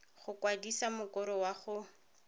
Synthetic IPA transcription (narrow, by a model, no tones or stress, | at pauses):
χʊkwadisamʊkʊɾɔwaχʊ